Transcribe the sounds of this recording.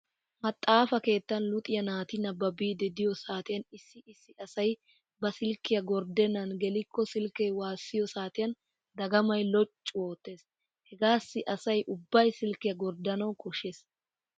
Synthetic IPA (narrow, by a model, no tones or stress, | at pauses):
mɐt̪ʼːaːfɐke̞ːt̪ːɐnlʊt̪ʼɪjɐnaːt̪ɪnɐbɐbiːd̪ɛd̪ɪjɔsaːt̪ɪjɐnɪsːɪɪsːɪʔɐsɐj | bɐsɪlkːɪjɐɡɔɾd̪ɛnːɐnɡɛlɪkːɔsɪlkɛjwaːsːɪjɔsaːt̪ɪjɐn | d̪ɐɡɐmɐjlɔt͡ʃʼːʊwo̞ːt̪ːe̞ːs | hɛɡaːsːɪʔɐsɐjʔʊbːɐjsɪlkːɪjɐɡɔɾd̪ɐnɐwkɔʃeːs